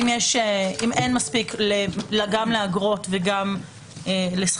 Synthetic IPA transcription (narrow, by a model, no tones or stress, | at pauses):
imjɛʃeimenmaspiklelɡamleaɡʁo̞tveɡam | eles